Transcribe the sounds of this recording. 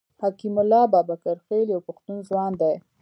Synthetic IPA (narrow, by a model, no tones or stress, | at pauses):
hakimʊlːɑbɑbakaɾxeljawpaxt̪unzwɑnd̪aj